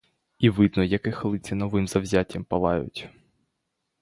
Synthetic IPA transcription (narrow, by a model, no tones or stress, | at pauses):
iʋɪd̪nɔjɐkɪxlˠɪt͡sʲinɔʋɪmzɐwzʲatʲːɐmpɐlˠɑjʊ̰tʲ